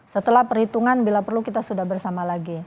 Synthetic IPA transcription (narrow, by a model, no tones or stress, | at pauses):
sət̪əlahpərhit̪uŋanbilapərlukit̪asudahbərsamalaɡi